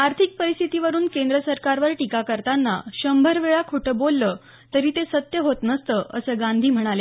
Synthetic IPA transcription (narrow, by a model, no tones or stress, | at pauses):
aɾt̪ʰik̚pəɾist̪ʰit̪iʋəɾuːnkend̪ɾəsəɾkaɾʋəɾʈikakəɾt̪anːa̰ɕəmbʱəɾʋeɭakʰuʈəbolːəː | t̪əɾiːt̪esət̪jəɦot̪nəst̪əʔəsəːɡãnd̪ʱiːm̤əɽ̃ale